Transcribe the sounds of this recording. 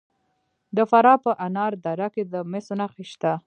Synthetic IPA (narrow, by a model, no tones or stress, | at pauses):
d̪əfaɾɑpəʔanɑɾd̪aɾaked̪əmɪsonaxiʃt̪a